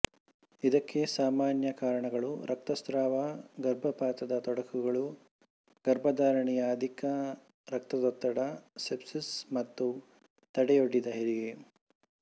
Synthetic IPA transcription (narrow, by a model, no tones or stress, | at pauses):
id̪ɐkːe̞saːmaːnjɐkaːɾɐɳɐɡɐɭuɾʔɐk̚t̪ɐst̪ɾaːʋɐɡɐɾbʱɐpaːt̪ɐd̪ɐt̪ɔɽɐkʰuɡɐɭu | ɡɐɾbʱɐd̪aːɾɐɳɛjɐːd̪ʱikɐ | ɾɐk̚t̪ɐt̪ɔt̪ːɐɽɐsepsismɐt̪ːu | t̪ɐɽɛjoɽːid̪ɐɦiɾiɡe